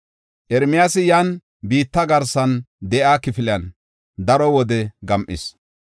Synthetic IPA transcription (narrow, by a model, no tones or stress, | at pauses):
ʔɛɾmɪjaːsɪjaːn | biːt̪ːɐɡɐɾsɐnd̪ɛʔaːkɪfɪljɐn | d̪ɐɾɔwɔd̪ɛɡɐmʔɪ̰s